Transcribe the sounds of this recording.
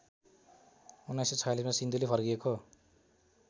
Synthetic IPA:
unːajset͡sʰʌjalismasind̪ulepʰʌrɡieko

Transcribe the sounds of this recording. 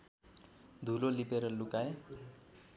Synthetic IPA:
d̪ʱulolipeɾʌlukae

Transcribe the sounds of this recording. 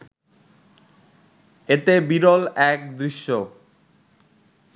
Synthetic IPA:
et̪ebiɾolɛk̚d̪ɾiʃːo

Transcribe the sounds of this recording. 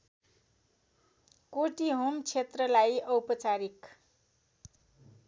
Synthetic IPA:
koʈiɦomt͡sʰet̪rʌlajʌwpʌt͡saɾik

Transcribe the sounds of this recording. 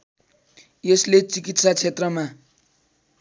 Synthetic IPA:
jeslet͡sikit̪sat͡sʰet̪rʌma

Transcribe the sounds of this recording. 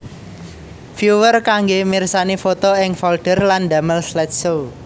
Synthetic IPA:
fjuwərkaŋɡemirsanifot̪oɪŋfɔlɖ̪̥ə̤rland̪a̤məlslɛt̪̚so

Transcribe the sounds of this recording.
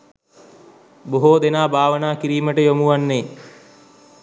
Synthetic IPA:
boɦoːd̪enaːbʱaːʋənaːkiɾiːməʈəjomuʋanːeː

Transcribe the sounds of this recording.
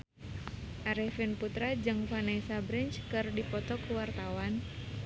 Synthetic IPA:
ʔaɾɛhfɛnput̪ɾad͡ʒɨŋfanɛsabɾɛnt͡ʃkɨrdipɔt̪ɔkuwart̪awan

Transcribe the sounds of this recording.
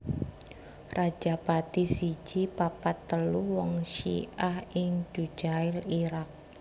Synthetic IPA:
rḁd͡ʒ̥apat̪isi̥d͡ʒ̥ipapat̪ːəluwɔŋʃḭʔahɪŋd͡ʒ̥u̥d͡ʒ̥aɪliɾak̚

